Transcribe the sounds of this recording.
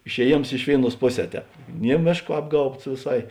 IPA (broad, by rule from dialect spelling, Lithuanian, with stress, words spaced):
ɪʃʲɛˈjeːms ˈɪʃ ʋʲeːɪˌnuɔs ˈpoːˌsʲɛː ˈtʲɛːp ˈnʲiɛ ˈmʲeːʃˌkoː ˈɑːbɡɐʊpts ʋʲeːˈsɐɪ